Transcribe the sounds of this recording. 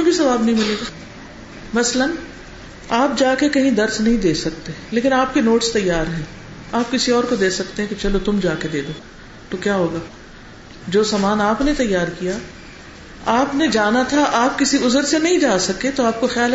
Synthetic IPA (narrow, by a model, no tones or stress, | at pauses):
ẽbʱisɐʋaːbnɐɦĩmɪleːɡa | mɐslən | aːpd͡ʒaːkekɐɦĩd̪ɐɾsnɐɦĩd̪eːsɐk̚t̪eleːkɪnaːp̚kenoːʈst̪ɐjːaːɾɦɛ̃ː | aːp̚kɪsiɔːɾkod̪eːsɐkt̪eɦɛ̃ket͡ʃɐlot̪ʊmd͡ʒaːked̪eːd̪oː | t̪okjaːɦoːɡaː | d͡ʒoːsaːmaːnaːpnet̪ɐjːaːɾkijaː | aːpned͡ʒaːnat̪ʰaʔaːp̚kɪsiʊzəɾsenɐɦĩd͡ʒaːsɐket̪oaːp̚koxaːl